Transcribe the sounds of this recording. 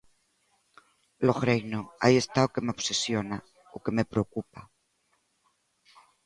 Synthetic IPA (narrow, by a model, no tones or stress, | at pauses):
loɣɾejnoaiest̪aokemeobsesjona | oke̞me̞pɾeokupa